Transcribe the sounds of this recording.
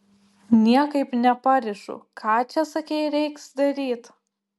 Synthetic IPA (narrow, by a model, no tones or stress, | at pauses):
nʲiɛkɐɪpnʲɛpɐɾʲɪʃʊ̰kʰɑːt͡ʃʲɛsɐkʲɛɪɾʲɛɪksd̪ɐɾʲiːt̪